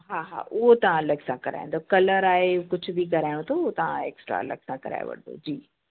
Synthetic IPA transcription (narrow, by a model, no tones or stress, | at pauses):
ɦaːɦa̰ːʔʊɦot̪ɐʋ̤ãlɐɡsãkɐɾa̰ːḭ̃nd̪okɐləɾaːɦekʊd͡ʑʱʊ̆bik̬ɐɾaːɪɽ̃õt̪ʰoɦot̪ɐʋ̤ãeːksʈɾa̰lɐ̰ɡsãkɐɾa̰ːj̰ʋɐ̰ɽ̃d̪o̰d͡ʑiː